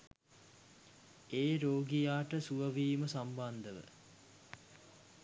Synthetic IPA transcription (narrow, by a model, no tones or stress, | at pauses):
eːɾoːɡijaːʈəsuʋəʋiːməsamband̪əʋə̰